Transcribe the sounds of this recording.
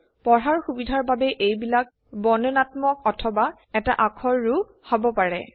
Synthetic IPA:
pɔɹɦaɹxubidʱaɹbabɛʔejbilak̚ | bɔnɔnatmɔk̚ɔtʰɔba | ɛta̰ʔakʰɔɹːu | hɔbɔpaɹɛ̰

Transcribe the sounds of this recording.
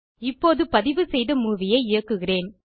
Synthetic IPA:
ɪpːoːðɯpɐðɪʋɯsɛjðɐmuːʋɪjɐɪɪɻɐkːɯɣɪreːn

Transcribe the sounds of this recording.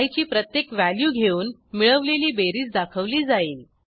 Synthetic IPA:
jt͡ɕiːpɾət̪jekʋæljuːɡʱeuːnmiɭəʋleliːbeɾiːt͡sd̪akʰəʋliːd͡zaiːl

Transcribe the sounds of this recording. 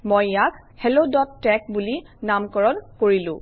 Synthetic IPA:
mojjak | hɛlodɔtːɛk̚buli | namkɔɹɔnkoɹilʊ̃

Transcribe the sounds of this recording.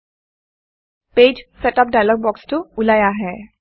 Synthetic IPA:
ped͡ʒsɛtap̚dajlɔɡ̚bɔkstʊulajaɦɛ

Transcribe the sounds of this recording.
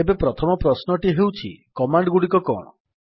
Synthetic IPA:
ebepɾɔt̪ʰɔmɔpɾɔsnɔʈiɦewt͡ʃʰḭkɔmaɳɖɡuɽikɔkɔ̰ɽ̃ɔ̰

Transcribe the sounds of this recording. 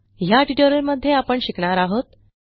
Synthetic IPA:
jaʈiʈəɾəɾməd̪ʱːjeapəɳɕikɳaɾaɦot̪

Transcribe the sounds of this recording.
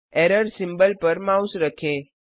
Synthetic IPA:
ɛɾəɾsimbəlpəɾmausɾəkʰẽ

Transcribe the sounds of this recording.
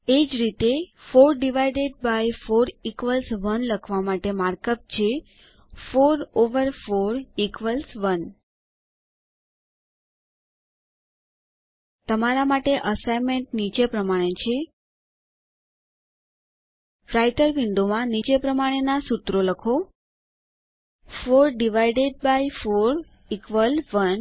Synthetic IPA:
ed͡ʒɾit̪efoɾɖiʋajɖeɖ̚bajfoɾikʋəlsʋənləkʰʋamaʈemaɾkəp̚t͡ʃʰe | foɾoʋəɾfoɾikʋəlsʋən | t̪əmaɾamaʈeʔəsajmeɳʈnit͡ʃepɾəmaɽ̃et͡ʃʰe | fɾajʈəɾʋiɳɖomãnit͡ʃepɾəmaɽ̃enasut̪ɾoləkʰo | foɾɖiʋajɖeɖ̚bajfoɾ | ikʋəlʋən

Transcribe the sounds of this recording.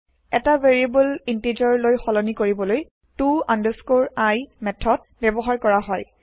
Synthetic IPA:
ɛtaveɹiebulinted͡ʒɔɹlojxɔlɔnikoɹibɔloj | tuãndəskoɹajmɛtʰːɔd̚ | bjɛbɔɦaɹkɔɹaɦɔj

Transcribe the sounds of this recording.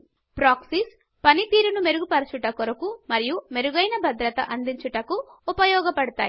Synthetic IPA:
pɾaːksis | pɐnit̪iːɾunume̞ɾuɡupɐɾɐsuʈɐkɔɾɐkumɐɾijume̞ɾuɡɐjnɐbʱɐd̪ɾɐt̪ɐ̰ʔɐnd̪iɲt͡ʃuʈɐkuːpɐjɔːɡɐpɐɽut̪a̰ːji

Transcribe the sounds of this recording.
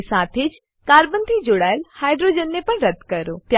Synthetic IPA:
saːt̪ʰeːd͡ʒ | kaːɾbənd̪id͡ʒoːɽaːɪlhaːɪɖɾod͡ʒənːepɐɳ̃ɾɐd̪kɐɾoːt̪j

